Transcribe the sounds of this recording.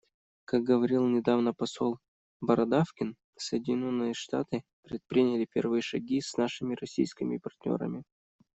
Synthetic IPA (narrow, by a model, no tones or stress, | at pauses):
kak̚ɡəvɐɾʲilˠnʲɪd̪avnəpɐsolˠ | bɐɾɐd̪afkʲɪn | səjɪdʲɪnʲo̞nːɨjəʂt̪a̰t̪ɨpɾʲɪt̪̚pɾʲinʲɪlʲɪpʲe̞rvɨjəʂɐɡʲisnaʂɨmʲɪrɐsʲḭjskʲɪmʲɪpɐrt̪ʲnʲo̞̰ɾə̰mʲɪ